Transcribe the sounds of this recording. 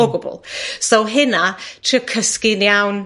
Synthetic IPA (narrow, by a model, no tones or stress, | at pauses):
oɡɔbɔ̰lˠsowɦɪnatʰriəkʰəskinjawn